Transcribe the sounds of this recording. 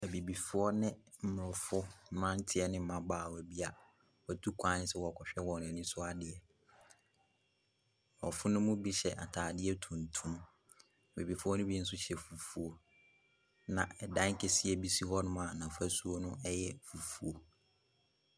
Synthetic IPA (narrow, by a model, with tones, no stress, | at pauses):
æ˨bi˨bi˨fʊ˦ɔ˦nɪ̃˦m̩˦m˨ɾʊ˨fʊ˦m̩˦mã˦n̩˦tʰɪ˦ɛ˦nɪ̃˦mã˦baː˨wɔ˨ɛ˨bi˦a˨ | wɔ˦tʰu˦kʷʰã˦n˦sɛ˦wɔ˨kʰɔ˨ɕᶣɛ˦wɔ˨nʊ̃˨ɛ˨nĩ˦sʊ˦a˦dɪ˨ɛ˨ | wɔ˨fʊ˦nʊ̃˦mʊ̃˦bi˦ɕɛ̰˨ʔa̰˨tʰaː˨dɪ˦ɛ˦tʰũ˨n˨tʰũ˦m˦˨ | bi˨bi˨fʊ˦ɔ˦nʊ̃˦bi˦n̩˦s̬ʊ˦ɕɛ˨fu˨fu˨o˨ | nã˨ɛ˨dã˦ŋ̩˦kʰe˨si˦ɛ˨bi˦si˦hɔ˦nʊ̃˦m̃˦a˨nã˨fæ˦su˦o˦nʊ̃˦ʔɛ˦jɛ˦fu˨fu˨o˨